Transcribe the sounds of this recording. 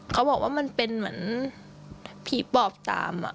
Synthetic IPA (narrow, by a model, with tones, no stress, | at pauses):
kʰa˦˥wbɔː˨˩k̚waː˥˩ma˧npe˧nmɯ˦n | pʰiː˨˩pɔː˨˩p̚t̪a̰ː˧mʔa̰˨˩ʔ